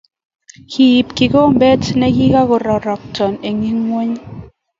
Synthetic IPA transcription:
kʰi˨i˨pki˨ko˦mbɛ˦tnɛ˦ɡi˦ka˦ɣɔ˨ɾɔ˨ɾɔ˨k̚tɔ˨ne˨ŋi˦ŋːwe˦ɲ

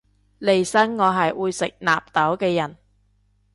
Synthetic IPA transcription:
le˨˩jsɐ˥ŋːɔː˨˧ɦɐ˨jwuː˨˧jsɪ˨k̚na̰ː˨p̚t̪ɐ˨˥wkɛː˧jɐ˨˩n

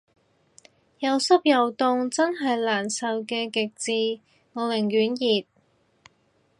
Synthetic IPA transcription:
jɐ˨˧wsɐ˥p̚jɐ˨wt̪ʊ˧ŋt͡sɐ˥nɦɐ˨jlaː˨˩nsɐ˨˧wkɛː˧kɪ˨k̚t͡siː˧ | ŋɔː˨˧lɪ˨˩ŋjyː˨˥njiː˨t̚

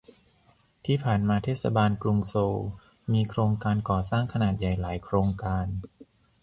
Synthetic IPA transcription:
t̪ʰiː˥˩pʰaː˨˩nmaː˧t̪ʰeː˦˥˩sa̰˧baː˧nklu˧ŋsoː˧w | miː˧kʰɾoː˧ŋkaː˧nkɔː˨˩saː˥˩ŋkʰa˧naː˨˩t̪̚ja˨˩jlaː˩˦jkʰɾoː˧ŋkaː˧n

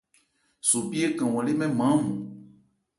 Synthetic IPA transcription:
su˨pi˦e˦kã˨w̃ɔ̃˨le˦mɛ̃˦mã˨˦mũ˨

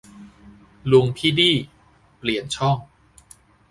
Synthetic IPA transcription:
lu˧ŋpʰiː˥˩diː˥˩ | pli˨˩ənt͡ɕʰɔ˥˩ŋ

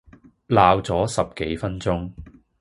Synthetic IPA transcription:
laː˨wt͡sɔː˨˥sɐ˨p̚ke˨˥jfɐ˥nt͡sʊ˥ŋ

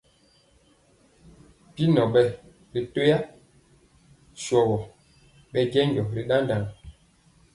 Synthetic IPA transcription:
pi˦nɔ˨ɓɛ˦ | ɾi˨to˦ja˦ | ʃwɔ˨wɔ˨ | ɓɛ˦d͡ʒɛ˦ɲd͡ʒɔ˨ɾi˨ɗa˦nda˨ŋ˨

